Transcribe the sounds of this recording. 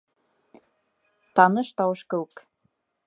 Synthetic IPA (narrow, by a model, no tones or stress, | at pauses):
t̪ɑnɤ̆ʃt̪ɑwɤ̆ʃkɤ̆uk